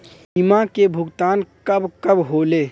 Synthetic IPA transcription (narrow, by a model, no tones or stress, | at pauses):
ɪmãkebʱʊɡt̪aːnkəbkəbɦoːleː